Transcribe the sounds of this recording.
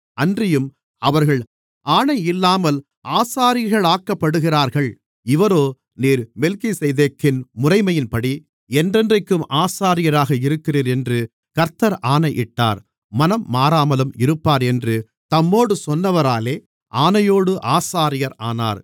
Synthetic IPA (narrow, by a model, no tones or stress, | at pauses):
ɐndrɪjɯm | ɐʋɐɾɣɐɭ | ʔaːnɐɪɪlːaːmɐl | ʔaːsaːɾɪɐɾɣɐɭaːkːɐpːɐɽɯɣɪraːɾɣɐɭ | ɪʋɐɾoː | niːɾmɛlkisɛjðeːkːɪnmʊrɐɪmɐjɪnpɐɽi | ɛndrɛndrɐɪkːɯmʔaːsaːɾɪjɐɾaːɣɐɪɾɯkːɪriːɾɛndrɯ | kɐɾt̪ːɐɾʔaːnɐʔɪʈːa̰ːɾ | mɐnɐmːaːɾaːmɐlɯmɪɾɯpːaːɾɛndrɯ | t̪ɐmːoːɽɯsɔnːɐʋɐɾaːleː | ʔaːnɐjoːɽɯʔaːsaːɾɪjɐɾaːna̰ːɾ